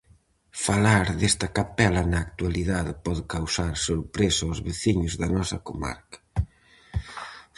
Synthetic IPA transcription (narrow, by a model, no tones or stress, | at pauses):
falaɾðest̪ɐkapɛlɐnaːkt̪waliðaðɪpɔðʊkawsaɾsoɾpɾesaozβeθiɲʊzðɐnɔsɐ̰koma̰ɾkɐ̥